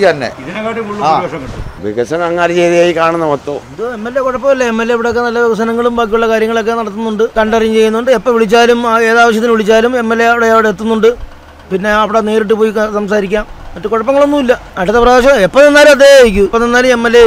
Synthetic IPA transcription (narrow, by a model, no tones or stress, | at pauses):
t̪ɐnːḛiðinekaːʈːikuɭːuɐʂɐɐʋḭɣɐsɐnɐŋːaːɾit͡ɕejðijaːjikaːɳunːɐmɐt̪ːoːðɨemːelːekuɽɐpːɐmilːɐemːelːeɐʋiɽe̞okːenɐlːɐʋɐʋɐsɐnɐŋːɐɭumbaːk̬ːijuɭːɐkaːɾjɐŋːɐɭo̞kːe̞nɐɽɐt̪ːunːuɳɖɨkɐɳɖɐrɐiɲːt͡ɕe̞jːunːuɳɖɨepːɐʋiɭit͡ɕːaːlumaːe̞ːðaːʋɐɕ̬jɐt̪ːilʋiɭit͡ɕːaːlume̞mːelːeɐʋiɽeɐʋiɽeːt̪ːunːuɳɖɨ | pinːe̞ɐʋiɽene̞ːɾiʈ̬ːɨpo̞ːjisɐmsaːɾik̬ʲːaːmːɐʈːɨkuɻɐpːɐŋːɐɭo̞nːumilːɐɐʈɐt̪ːeprɐðeɕ̬ɐepːɐnenːaːlumɐðejikʲːupɐnenːaːlumemːelːe